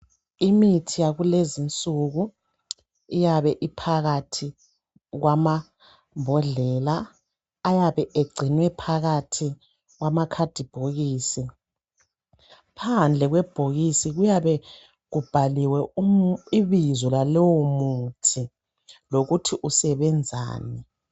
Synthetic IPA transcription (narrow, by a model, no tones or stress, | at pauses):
imitʰijaɣulezint͡sʼuɣu | ijaβɛʔipʰaɣatʰi | ɣwama | mbʱɔɮɛlaː | jaβɛʔeɡ͡ǀʱinwɛpʰaɣatʰi | ɣwamakʰad̥ʱib̥ʱoɣiːsi | pʰand͡ɮʱɛɣwɛb̥ʱoɣisiɣujaβɛ | ɣub̥ʱaliwɛumiβizɔlalɔwomutʰi | loɣutʰiʔusɛβɛnd͡zʱa̰ːnɛ